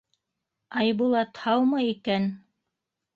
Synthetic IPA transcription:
ɑjβulˠɑt̪hɑwmɤikæn

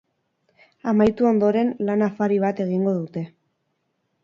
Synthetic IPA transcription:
amajt̪uo̞nd̪o̞ɾe̞nlanafaɾiβ̞at̪e̞ɣ̞iŋɡo̞ðut̪e̞

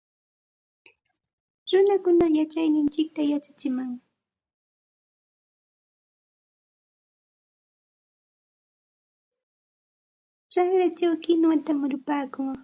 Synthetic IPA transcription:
ɾʊnakʊnajat͡ʃajnɪnt͡ʃɪk̚t̪ajat͡ʃḁt͡ʃɪmaŋ | ɾaŋɾat͡ʃawkɪnwat̪amʊɾʊpaːkʊŋ

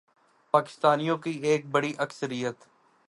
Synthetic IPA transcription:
paːkɪ̥st̪aːnijõkieːk̚bəɽiʔɐksəɾɪjət̪

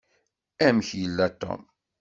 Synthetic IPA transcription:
æmçjəlːæt̪ːɔ̰m

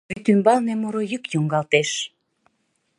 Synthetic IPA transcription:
it̪ymbɑlnemoɾojykjuŋɡɑlt̪eʃ

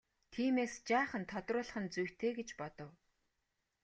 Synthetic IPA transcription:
t̪ʰiːmeːst͡ɕaːχə̆nt̪ʰɔt̪rʊːɮə̆χə̆nt͡sujwt̪ʰeːɡet͡ɕpɔt̪ɞ̆w

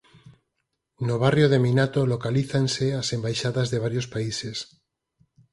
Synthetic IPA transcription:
noβ̞arjoðeminat̪olokaliθanseasembajʃaðazðeβaɾjospaises

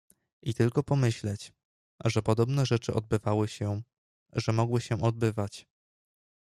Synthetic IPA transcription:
ʔit̪ɘlkɔpɔmɘɕlɛt͡ɕ | ʐɛpɔd̪ɔbnɛʐɛt͡ʂɘʔɔ̰d̪̚bɘvawɘɕɛ | ʐɛmɔɡwɘɕɛʔɔd̪̚bɘvat͡ɕ

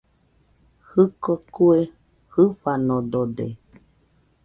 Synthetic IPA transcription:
hɨkokue | hɨɸanõd̪odḛ

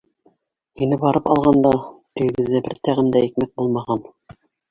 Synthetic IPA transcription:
hinɘbɑɾɤpɑ̰lˠʁɑnd̪ɑ | ɵ̆jɘ̆ɡɘ̆ðːæbɘɾt̪æʁɘ̆nd̪æĭk̚mæk̚bulˠmɑʁɑn

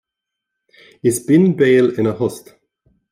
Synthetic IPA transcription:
ɪsbɪnbeːlɪnəhɔst̪

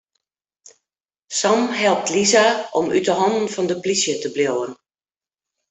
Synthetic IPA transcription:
sɔmɦɛlˠp̚tlizaʔɔmy̰təɦɔndn̩fɔndəplisjətəbljowən

